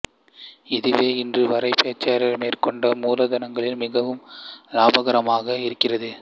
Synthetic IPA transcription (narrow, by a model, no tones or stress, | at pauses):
ɪðɯʋeːɪndrɯʋɐɾɐɪpeːt͡ʃːaːɾɐɾmeːrkɔɳɖɐmuːlɐðɐnɐŋɡɐɭɪnmɪɣɐʋɯmlaːbɐɣɐɾɐmaːɣɐɪɾɯkːɪrɐðɯ